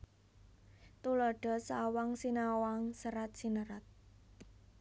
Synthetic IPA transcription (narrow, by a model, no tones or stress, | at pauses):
t̪ulɔɖ̥ɔ̤sawaŋsinawaŋsəɾat̪̚sinəɾat̪̚